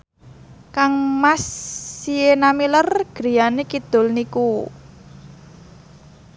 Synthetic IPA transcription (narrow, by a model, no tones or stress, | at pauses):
kaŋmasːienamilərɡ̥ɾi̤janekid̪̥ʊ̤lniku